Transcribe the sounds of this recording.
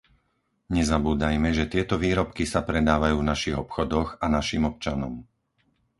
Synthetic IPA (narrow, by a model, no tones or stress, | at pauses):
ɲɛzabuːd̪ajmɛʒɛt̪ɪɛt̪ɔʋiːɾɔpkisapɾɛd̪aːʋajuːvnaʃiɣɔpxɔd̪ɔɣanaʃiːmɔp̚t͡ʃanɔm